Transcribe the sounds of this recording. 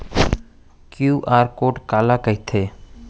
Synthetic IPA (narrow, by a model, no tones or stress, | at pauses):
kjuːʔaːɾkoːʈkaːlakəɦit̪ʰeː